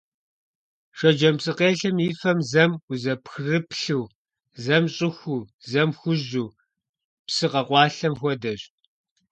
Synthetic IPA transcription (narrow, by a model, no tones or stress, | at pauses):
ʂʷɐd͡ʒɐmpsʼɨqeːɬɐmiːfɐmzɐmʊzɐpxrɨpɬuː | zɐmɕʼɪxʷuːzɐmxʷʊʑuː | psɨqɐqʷɑːɬɐmxʷɔdɐɕ